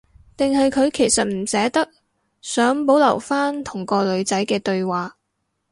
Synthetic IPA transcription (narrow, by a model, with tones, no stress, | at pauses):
t̪ɪ˨ŋɦɐ˨jkʰɵ˨˧ɥkʰe˨˩jsɐ˨t̚m̩˨˩sɛː˨˥t̪ɐ˥k̚ | sœː˨˥ŋpo˨˥wlɐ˨˩wfaː˥nt̪ʰʊ˨˩ŋkɔː˧lɵ˨˧ɥt͡sɐ˨˥jkɛː˧t̪ɵ˧ɥwaː˨